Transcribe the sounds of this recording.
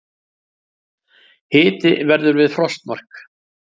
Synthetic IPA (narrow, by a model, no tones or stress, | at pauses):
hɪːt̪ɪvɛɾðʏɾvɪðfɾɔst̪mar̥k